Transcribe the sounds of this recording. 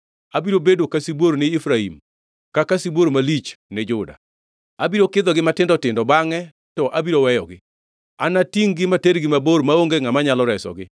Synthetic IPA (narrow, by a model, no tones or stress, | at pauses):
abiɾobedwokasibwoɾnɪːfɾaḭm | kakasibwoɾmalit͡ʃned͡ʒʊda̰ | abiɾokɪd̪ɔɡɪmatɪndɔtɪndɔbaŋɛ | tɔʔabiɾowɛjɔɡɪ | anatiŋɡɪmateɾɡɪmaboɾmaoŋɡeŋamaɲalɔɾɛsɔ̰ɡɪ